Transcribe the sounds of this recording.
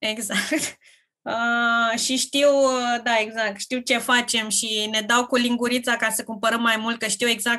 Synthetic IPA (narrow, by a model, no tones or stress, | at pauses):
e̞ɡzakt̪ | əʃiʃt̪iwd̪ae̞ɡzak̚t̪ʃt̪iwt͡ʃe̞fat͡ʃe̞mʃine̞d̪awkuliŋɡuɾit̪sakasəkumpəɾəmːajmult̪̚kəʃt̪iwe̞ɡzak̚